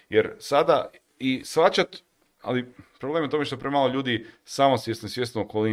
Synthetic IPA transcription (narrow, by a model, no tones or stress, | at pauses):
jeɾsad̪a | isʋat͡ʃat̪ | a̰lipɾoblemjeut̪ome̞ʃt̪opɾemaːloʎuːd̪isamosʲjest̪nesʋjesnookoli